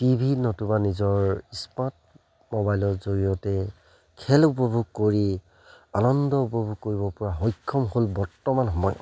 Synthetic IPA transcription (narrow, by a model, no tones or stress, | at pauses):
tibʱinɔtubanizɔɹispat̚ | mɔbajlɔɹzoɹijɔtɛ | kʰɛlupɔbʱuɡ̚koɹi | anɔndɔupɔbʱuɡ̚koɹiβɔpɔɹaɦɔjkʰːɔmɦolbɔɹtɔmanɦɔma̰j